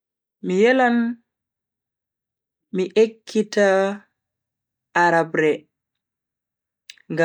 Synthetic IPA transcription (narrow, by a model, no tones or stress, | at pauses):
mijɛlan | miʔekʰːita | ʔaɾabɾɛ | ŋɡa